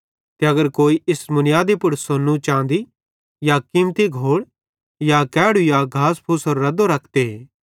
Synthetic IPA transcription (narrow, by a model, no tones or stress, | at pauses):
t̪eɐɡəɾkoːiʔɪsmʊnɪjaːd̪epʊɽsonːũt͡ʃãːnd̪i | jakiːmt̪iɡʱoːɽ | jakɛːɽujaɡʱaːspʰʊsoɾːɐd̪oɾɐkʰd̪eeː